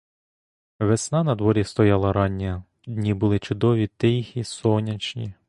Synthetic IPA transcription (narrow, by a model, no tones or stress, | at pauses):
ʋesnɑnɐd̪ʋɔɾʲist̪ɔjɑlˠɐɾɑnʲːɛ | d̪ʲnʲibʊlˠɪt͡ʃʊd̪ɔʋʲit̪ɪjxʲisɔnʲɐt͡ʃnʲḭ